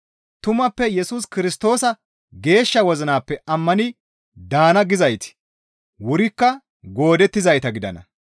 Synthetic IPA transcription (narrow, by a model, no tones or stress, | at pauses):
t̪ʊmɐpːɛjɛsuːs̬kɪɾɪst̪o̞ːsɐ | ɡe̞ːʃːɐwɔzɐnaːpːɛʔɐmːɐnɪ | d̪aːnɐɡɪzɐjt̪ɪ̥ | wʊɾɪkːɐ | ɡo̞ːd̪ɛt̪ːɪzɐjt̪ɐɡɪd̪ɐ̰nɐ̰